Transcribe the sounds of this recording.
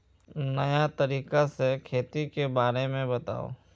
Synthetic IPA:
nɐjat̪ɐɾiːkasekʰeːt̪ikebaːɾemẽbɐt̪a̰ːo̰ː

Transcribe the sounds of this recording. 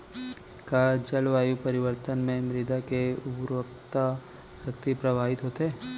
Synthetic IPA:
kaːd͡ʒɐlʋaːjupɐɾɪʋəɾt̪ənmẽmɾɪd̪akeʊbɾʋəkt̪a | ʃɐkt̪ipɾɐbʱaːɦɪt̪ɦoːt̪eː

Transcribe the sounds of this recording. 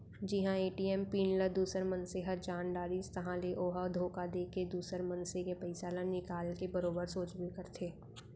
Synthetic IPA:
d͡ʒɪɦãeːʈiːɛːmpiːnləd̪uːsəɾmə̃nseɦəd͡ʒaːnɖaːɾist̪ɐɦãleʔoːɦəd̪ʱoːkad̪eːked̪uːsəɾmɐ̃nsekepɐɪsaːlənɪkaːlkebɐɾoːbəɾsoːt͡ʃbikəɾt̪ʰeː

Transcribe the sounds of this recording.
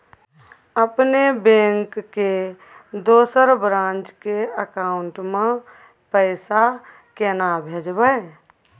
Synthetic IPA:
əpnebẽːŋkːe | d̪oːsəɾbɾãːnt͡ʃkeəkaːʊɳʈmã | pəɪsa | keːnabʱeːd͡ʒbəe

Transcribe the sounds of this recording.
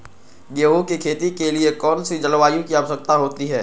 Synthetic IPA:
ɡeːɦokikʰeːt̪ikeliekɔːnsid͡ʒəlʋaːjõkiaʋəsək̚t̪aɦoːt̪iɦɛː

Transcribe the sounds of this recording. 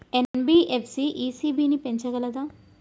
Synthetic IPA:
enbiːʔepʰsiʔiːsiːbiːnipe̞ɲt͡ʃɐɡɐlɐd̪aːm

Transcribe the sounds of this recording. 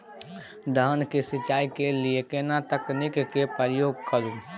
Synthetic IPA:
d̪əɦənkesɪt͡ʃaːikeliekenãt̪əknɪkkepəɾjoːɡ̚kʰəɾũ

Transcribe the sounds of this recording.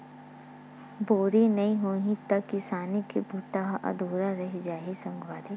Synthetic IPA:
boːɾinɐɦĩɦoːĩt̪ɐkːɪsaːnikebʱuːʈ̪aɦʔɐ̰d̪ʱoːɾaɾɐɦid͡ʒaːɦisɐ̃ŋɡwaːd̪i

